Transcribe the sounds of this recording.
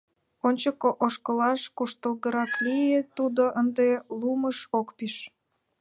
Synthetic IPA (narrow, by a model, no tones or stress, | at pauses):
onʲt͡ɕəkoʔoʃkəlɑʃkuʃt̪əlɣəɾɑklijet̪ud̪oʔənd̪eluməʃokpiʃ